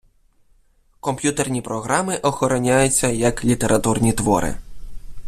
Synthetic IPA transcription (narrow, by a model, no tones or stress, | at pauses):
kɔmpʲjut̪ernʲipɾɔɣɾamɪʔɔxɔɾɔnʲajʊt͡sʲːɐjɐklʲit̪eɾʔɐt̪urnʲit̪ʋɔ̰ɾɪ̰